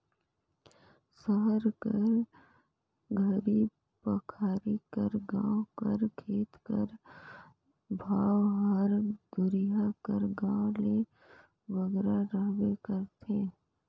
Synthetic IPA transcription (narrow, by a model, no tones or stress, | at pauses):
səɦəɾkəɾ | ɡʱəɾi | pəkʰaːɾikəɾɡãːʊ̃kəɾkʰeːt̪kə̰ɾ | bʱaːwɦəɾd̪ʊɾɪjakəɾɡãːʊ̃le | ʋəɡɾaɾəɦwekəɾt̪ʰẽː